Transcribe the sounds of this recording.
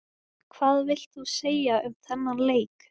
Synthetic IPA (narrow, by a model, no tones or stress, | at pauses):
kʰvaːðvɪl̥t̪θuseːjaʏt̪ʰθɛnːaleːjk